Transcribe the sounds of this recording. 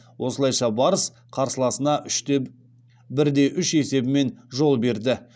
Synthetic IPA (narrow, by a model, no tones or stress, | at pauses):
wʔo̞səlˠɑjʃɑbɑɾəs | qʰɑɾsəlˠɑsənɑʔʏʃ | bɪɾd̪e̞ʔʏʃe̞se̞bɪme̞nʒo̞lˠbe̞ɾd̪ɪ